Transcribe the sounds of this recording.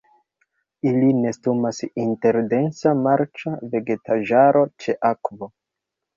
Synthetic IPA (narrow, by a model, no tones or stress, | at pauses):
iline̞stumasinte̞ɾde̞nsamaɾt͡ʃave̞ɡe̞tʰaʒaɾo̞t͡ʃe̞ʔakvo̞